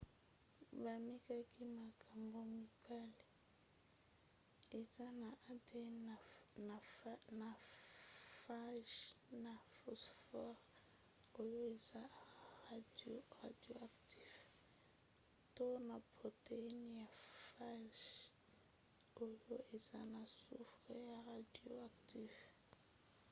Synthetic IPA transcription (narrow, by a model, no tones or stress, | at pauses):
bamikakimakʰaŋɡomikale | ezanaʔate | nana | faʒnafosfɔʁ | ojoiza | radioaktiv | tonaboteinijafaʃ | ojoʔizanasufrɛjaradioaktiv